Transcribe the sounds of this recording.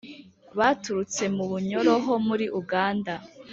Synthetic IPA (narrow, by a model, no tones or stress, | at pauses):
βatuɾut͡se̞muβuɲo̞ɾoɦo̞muɾiʔuɡaːnda